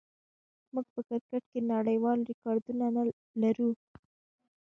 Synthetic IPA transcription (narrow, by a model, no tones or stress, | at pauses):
muɡ̚pəkɪɾkaʈkenaɽəjwɑlɾɪkɑɾd̪unana | laɾu